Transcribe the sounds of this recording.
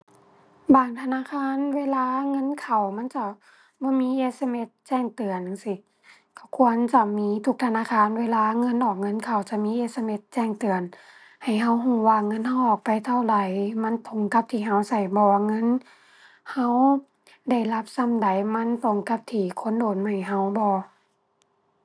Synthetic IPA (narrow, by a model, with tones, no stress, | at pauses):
baː˨˩ŋt̪ʰa˧naː˧˥˨kʰaː˧˥˨nweː˧˨laː˧˥˨ŋɤ˧˥˨nkʰa˨˩wma˧˥˨nt͡ɕa˧˩ | bɔː˧˦miː˧˥˨ʔeː˧sa˧me˧˥t̪̚t͡ɕɛː˧˩˨ŋt̪ɯ˨˩əna˨˧˨ŋsi˧˦ | ka˧˩wkʰu˧ənt͡ɕa˧˩miː˧˥˨t̪ʰu˧k̚t̪ʰa˧naː˧˨kʰaː˧˥˨nweː˧˨laː˧˥˨ŋɤ˧˥˨nʔɔː˨˩k̚ŋɤ˧˥˨nkʰa˨˩wt͡ɕa˧˩miː˧˥ʔeː˧t̪̚sa˧˨me˧t̪̚t͡ɕɛː˧˩ŋt̪ɯ˨ən | ha˨˩jɦa˧˩wɦuː˧˩waː˧˩˨ŋːɤ˧˥˨nha˧wʔɔː˨˩k̚pa˨jt̪ʰa˧˨wla˨˩jma˧˥˨nt̪ʰo˧˦ŋka˧˦p̚t̪ʰiː˨˩ɦa˧˩wsa˨˩jbɔː˧˦wa˧ŋɤ˧˥˨n | ha˧˥w | da˧˩jla˧˥p̚sa˧˥˨mda˨˩jma˧˥˨nt̪o˨˧˩ŋka˧˦p̚t̪ʰiː˧˩kʰo˧˥˨ndoː˨˩˨nma˧˩jɦa˧˩wbɔː˧˦